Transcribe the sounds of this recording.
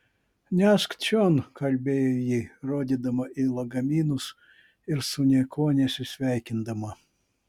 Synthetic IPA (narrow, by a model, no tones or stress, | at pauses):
nʲæʃkt͡ʃʲonkʰɐlʲbʲeːjojiːɾoːd̪ʲid̪ɐmɐilˠɐɡɐmʲiːnʊs | ɪɾsʊnʲɛkʰoːnʲesʲɪsʲʋʲæjkʲɪnd̪ɐmɐ